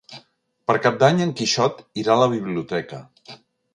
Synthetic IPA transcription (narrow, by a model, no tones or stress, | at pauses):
pəɾkap̚d̪aɲəŋkiʃɔt̪iɾaləβ̞iβliut̪ɛkə